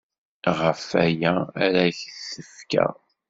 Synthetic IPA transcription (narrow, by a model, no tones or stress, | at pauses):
ʁəfæjæːɾæçəθəfkæ̰